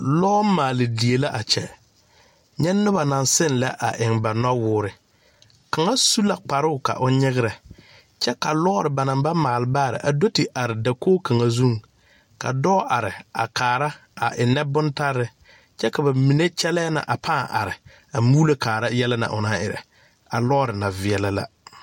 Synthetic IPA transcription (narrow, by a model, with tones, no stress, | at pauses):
lɔ˦maː˨lɪ˨di˨e˨la˦ʔa˨t͡ʃɛ̰˨ | ɲɛ˦nːʊ˦ba˨na˨nsɪ˦nlɛ˦ʔa˨ʔɪ˨ŋba˨nɔ˦wʊː˦ɾɪ˨ | ka˨ŋa˦su˦la˦˨k͡pa˨ɾʊ˦ʊ˨ka̰˨ʔʊ˦ɲɪ˦ɣɪ˦ɾɛ˨ | t͡ʃɛ˦ka˨lɔ˦ɔ˦ɾɪ˨ba˨nã˨mba˦maː˨lɪ˨˦baː˦˨ɾɪ̰˨ʔa˨do˦ti˨ʔa˨ɾɪ˨da˨koː˦kʰa˨ŋa˨zu˦ŋ | ka̰˨dɔː˦ʔa˨ɾɪ˨a˨kaː˨ɾa˦ | a˨ʔɪ˨nːɛ˦bʊ˦nta˦ɾːɪ˦ | t͡ʃɛ˦ka˨ba˨mi˨ne˦t͡ʃɛ˦lɛː˦na̰˨ʔa˨pʰaː˦˨ʔa̰˨ɾɪ˨ | a˨muː˦le˦kʰaː˨ɾa˦jɛ˦la˦na̰˨ʔʊ˨na˦ɪ̰˨ɾɛ̰˨ | a˨lɔ˦ɔ˦ɾɪ˨na˨vɪ˨ɛ˨la˦la̰˦